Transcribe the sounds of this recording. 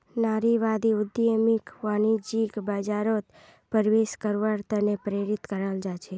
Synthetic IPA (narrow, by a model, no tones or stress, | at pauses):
naɾiʋad̪iʊd̪ijəmikʋanid͡ʒikbad͡ʒaɾot̪ | pəɾʋeʃkəɾʋaɾt̪ʰənepɾeɾit̪kəɾald͡ʒat͡ʃʰe